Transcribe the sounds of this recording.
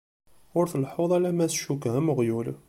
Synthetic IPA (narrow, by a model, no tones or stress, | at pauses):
ʊɾθlħʊðˤælæmæsʃukːæməʁjul